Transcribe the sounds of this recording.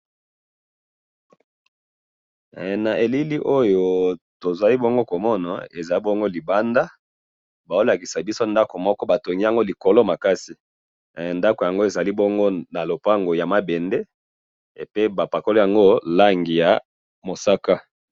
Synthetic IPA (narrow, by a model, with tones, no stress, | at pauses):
na˨ʔe˨li˦li˦ʔo˦jo˨ | to˨zwa˨li˦bo˦ŋɡo˦ko˨mɔ˦na̰˨e˨za˨li˦bo˦ŋɡo˦li˨ba˦nda˦ | ba˨o˦la˨ki˨sa˨bi˦so˦nda˦ko˨mɔ˦kɔ˦ba˨to˨ŋɡi˦a˨ŋɡo˦li˨ko˨lo˦ma˨ka˦si˨ | nda˦ko˨ja˨ŋɡo˦e˨za˨li˦bo˦ŋɡo˦na˨lo˨pa˦ŋɡo˨ja˨ma˨be˨nde˦˨ | pe˦ba˨pa˨ko˦lo˦ja˨ŋɡo˦la˦ŋɡi˨ja˨ | mo˨sa˦ka˦